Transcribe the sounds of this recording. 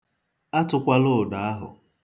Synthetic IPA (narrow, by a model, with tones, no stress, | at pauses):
a˦tʊ˨kʷa˦lʊ˦˨da˨a˦ɦʊ̰˨